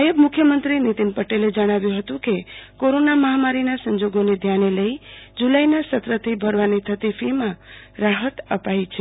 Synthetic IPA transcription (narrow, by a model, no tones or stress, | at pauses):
ajəbmukʰjəmənt̪ɾinit̪inpəʈeled͡ʒəɽ̃aʋjũɦət̪ũkekoɾonaməɦamaɾinasəɲd͡ʒoɡoned̪ʱjaneləid͡ʒulajnasət̪ɾət̪ʰibʱəɾʋanit̪ʰət̪ifʰimã | ɾaɦət̪ə̰pajt͡ʃʰe